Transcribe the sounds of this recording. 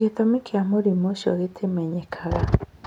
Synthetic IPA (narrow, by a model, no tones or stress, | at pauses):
it̪omikiamuɾimoʃo̰ɣitʰemeɲekʰaɣa